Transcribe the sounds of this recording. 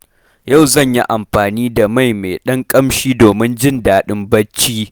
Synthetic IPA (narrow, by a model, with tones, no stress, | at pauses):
ja˦˨wzɐ˦˨ɲji˦ʔa˨mɸaː˨niː˦da˨ma˦˨jme˨ɗɐ˦ŋkʼɐ˦mʃiː˦doː˨mɪ˦nd͡ʒɪ˦˨ndaː˨ɗɪ˦mbɐ˦t͡ʃːiː˦